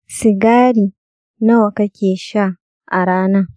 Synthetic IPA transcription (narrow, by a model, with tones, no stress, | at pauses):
sɪ˨ɡaː˦ɾiː˨ | na˦wɐ˨kɐ˦kʲeː˨ʃa˦ | ʔa˨ɾaː˦na˦